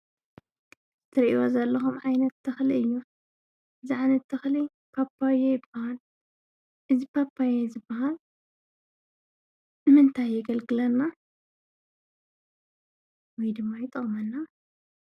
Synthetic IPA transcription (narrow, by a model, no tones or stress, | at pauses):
zɨt̪ʰɐɾiwozɐlːɐxumʕajnɐt̪ːɐxliɨjːu | ʔɨziʕajnɐt̪ʰːɐxli | pʰapʰːawejɪb̥ːahal | ʔɨzipʰapʰːajezɨbːɐɦal | ɨmɨnt̪ʰajːɐɡɐlɡɨlɐnːa | wɔjd̪ɨmːajɪt̪ʼɨχʼmɐnːa